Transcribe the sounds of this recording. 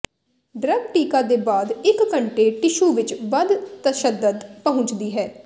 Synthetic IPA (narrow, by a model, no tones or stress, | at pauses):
ɖɾəɡʈiːkaːd̪eːbaːd̪ɪkːəɳʈeːʈɪʃuːʋɪt͡ʃʋəd̪t̪əʃəd̪ːəd̪pəɦʊ̃t͡ʃd̪iːɦɛː